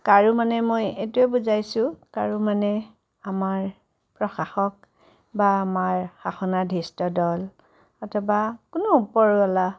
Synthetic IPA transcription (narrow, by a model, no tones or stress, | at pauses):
kaɹumanɛmojetuɛbuzajsʊ̃kaɹumanɛ | amaɹ | pɹɔxaxɔk | baːmaɹxaxɔnadʱistɔdɔl | ɔtʰɔbakʊnɔupɔɹɔla